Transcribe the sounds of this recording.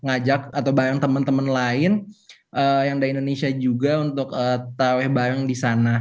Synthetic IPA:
ŋad͡ʒak̚at̪awbaɾaŋt̪əmənt̪əmənlaɪnʔəːjaŋdaindonesiad͡ʒuɡaunt̪ʊkəːt̪awɛhbaɾaŋdisana

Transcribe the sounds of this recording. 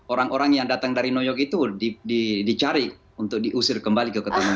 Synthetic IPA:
oɾaŋoɾaŋjaŋdat̪aŋdaɾinojɔkit̪udididit͡ʃaɾi | unt̪ʊk̚diʔusɪrkəmbalikəkət̪əma

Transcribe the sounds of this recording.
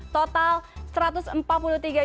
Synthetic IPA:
t̪ot̪alsɾat̪ʊsəmpat̪̚puluht̪iɡa

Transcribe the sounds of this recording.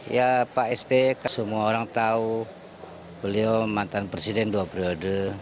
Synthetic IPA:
japaʔɛspekasəmuaoɾaŋt̪au | bəliomant̪anpɾesidɛnduapəɾiodə

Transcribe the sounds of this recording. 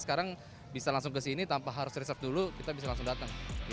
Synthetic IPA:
sə̥kaɾaŋ | bisalaŋsʊŋkəsinit̪ampaɦaɾʊsrisərf̚dulukit̪abis̬alaŋsʊŋdat̪aŋ

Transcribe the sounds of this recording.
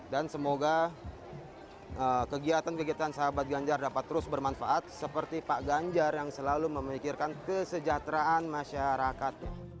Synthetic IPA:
dansəmoɡa | ʔəːkəɡiat̪ankəɡiat̪ansəɦabat̪̚ɡaɲd͡ʒardapat̪ːəɾʊsbərmanfaʔat̪̚səpərt̪ipaʔɡaɲd͡ʒarjaŋsəlaluməmikɪrkankəsəd͡ʒaht̪ɾaːnmaʃaɾakat̪̚ɲa

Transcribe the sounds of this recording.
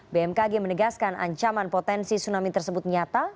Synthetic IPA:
beɛmkaɡɛmənəɡaskanʔa̰ɲt͡ʃamanpot̪ɛnsisunamit̪ərsəbʊt̪̚ɲat̪a

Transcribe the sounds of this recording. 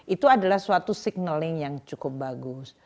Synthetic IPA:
ʔit̪uadalahsuat̪usɪɡ̚nəlɪŋjaŋt͡ʃukʊp̚baɡʊs

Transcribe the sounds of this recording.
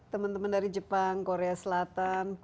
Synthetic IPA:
t̪əmant̪əməndaɾid͡ʒəpaŋkoɾeasəlat̪an

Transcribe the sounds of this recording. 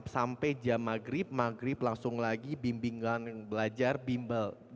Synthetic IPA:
psampɛd͡ʒamaɡɾɪp̚maɡɾɪplaŋsʊŋlaɡibimbiŋanbəlad͡ʒarbimbəl

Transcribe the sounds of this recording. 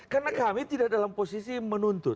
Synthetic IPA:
karnakamit̪idak̚dalamposisimənunt̪ʊt̪

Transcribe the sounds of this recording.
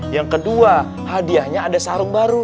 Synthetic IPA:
jaŋkədua | hadiahɲaːdasaɾʊŋbaɾu

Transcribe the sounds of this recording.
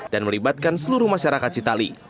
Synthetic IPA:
d̥anməlibat̪̚kansəluɾuhmaʃaɾakat̪̚t͡ʃit̪ali

